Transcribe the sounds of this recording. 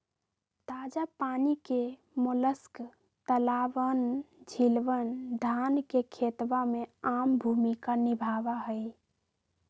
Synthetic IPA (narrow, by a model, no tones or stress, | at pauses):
t̪ad͡ʒapanike | moləsk | t̪əlaʋənd͡ʒʱilʋənd̪ʱankekʰet̪ʋameambʱumikanibʱaːʋaɦəj